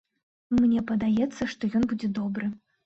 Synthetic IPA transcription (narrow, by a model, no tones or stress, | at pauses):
mnʲɛpɐd̪ajɛt̪sːɐʂt̪ɔjɔnbud͡zʲɛd̪ɔbɾɨ